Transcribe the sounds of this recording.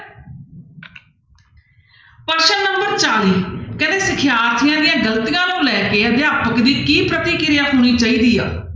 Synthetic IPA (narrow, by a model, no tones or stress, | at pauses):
pəɾʃənnːəmbəɾt͡ʃaːliːkəd̪eːsɪkʰjaːɾt̪ʰɪjãːd̪ɪjãːɡələt̪ijãːlõːlɛːkeːəd̪jaːpəkd̪iːkiːpɾət̪iːkɪɾɪjaːɦoːñiːt͡ʃaːiːd̪iːa̰ː